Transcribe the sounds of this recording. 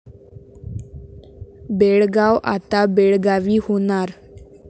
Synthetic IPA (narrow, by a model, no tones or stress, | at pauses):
beɭɡawʔa̰t̪abeɭɡaʋiːhonaɾ